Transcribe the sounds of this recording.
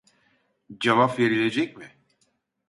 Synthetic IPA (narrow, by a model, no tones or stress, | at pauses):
d͡ʒavapve̞ɾilʲe̞d͡ʒɛc̚mɪ